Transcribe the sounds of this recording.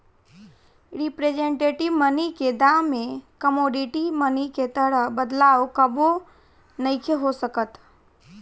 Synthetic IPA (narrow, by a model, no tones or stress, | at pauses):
ɾɪpɾeːd͡ʒẽɳʈeːʈɪʋməniked̪aːmːẽkəmoːɖɪʈiməniket̪əɾəɦbəd̪laːokəbo | nɐikʰeɦosəkət̪